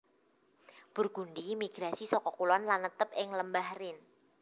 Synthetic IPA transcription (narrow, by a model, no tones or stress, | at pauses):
b̥ʊrɡ̥undimiɡ̥ɾasisɔkɔkulwanlanət̪əp̚ɪŋləmbahrɪn